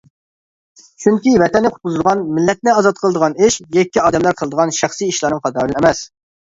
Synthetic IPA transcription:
t͡ʃʰyŋkʲivɛt̪ɛnːɪqʰʊ̥t̪̚qʊzɨlˠʁɑnmɪlːɛt̪̚nɪɑzɑt̪̚qʰəlˠəd̪əʁɑnɪʃjɛkʲːiɑːd̪ɛmlæɾqʰəlˠd̪əʁɑnʃæχsijiʃlˠɑːnɨŋχʰɑd̪ɑːd̪ɨnɛmɛs

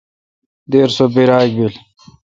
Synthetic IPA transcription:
d̪eːɾsobiɾaːɡ̚bil

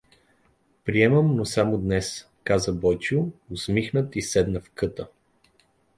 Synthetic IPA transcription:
pɾiɛməmnosamod̪nɛs | kazəbɔjt͡ʃiʊʊsmixnət̪isɛd̪nəfkɤt̪ə

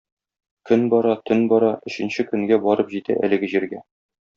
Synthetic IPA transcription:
kɵnbɒɾɑt̪ʰɵnbɒɾɑɵ̆ɕɘ̆nɕɘkɵ̆ŋɡæbɒɾɤpʑit̪æ̰ʔæ̰lɘ̆ɡɘʑiɾɡæ

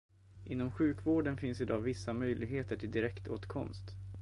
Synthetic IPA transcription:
ʔɪnːɔmɧʉ̟ːkvoːɖənfɪnsɪd̪ɑːvɪsːamœjlɪɡɦeːt̪əʈʰɪld̪ɪɾɛkt̪o̰ːt̪kʰɔ̰mst̪

